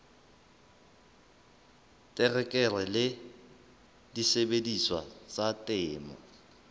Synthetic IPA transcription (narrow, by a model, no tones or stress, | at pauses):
tʼɪrɛkʼɛrɛlɪ | disebediswa̰t͡sʼatʼɪːmɔ̰